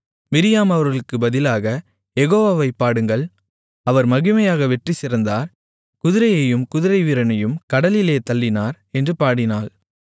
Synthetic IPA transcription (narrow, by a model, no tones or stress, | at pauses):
mɪɾɪjaːmɐʋɐɾɣɐɭɯkːɯbɐðɪlaːɣɐ | jɛɣoːʋaːʋɐɪpːaːɽɯŋɡɐɭ | ɐʋɐɾmɐɣɪmɐjaːɣɐʋɛʈrisɪɾɐnd̪aːɾ | kʊðɪɾɐjɐjɯmkʊðɪɾɐɪʋɪɾɐnɐjɯmkɐɽɐlɪleːt̪ɐlːɪnaːɾ | ɛndrɯpaːɽɪnaːl